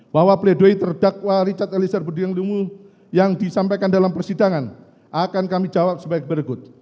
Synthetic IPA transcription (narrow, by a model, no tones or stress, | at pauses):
b̥aɦwapəledoit̪ərdak̚waɾit͡ʃat̪̚elisərbədiaŋlumu | jaŋdisampajkandalampərsidaŋan | ʔakankamid͡ʒawap̚səbaik̚bəɾɡʊt̪̚